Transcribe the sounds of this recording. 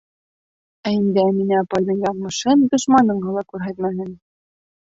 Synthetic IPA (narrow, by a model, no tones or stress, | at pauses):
æɘnd̪ɘæminɘɑpɑjd̪ɤɴjɑʁmɤ̆ʃɤnd̪ŏʃmɑnɤ̆ɴɢɤlˠɑkʉɾɦæt̪mæɦɘn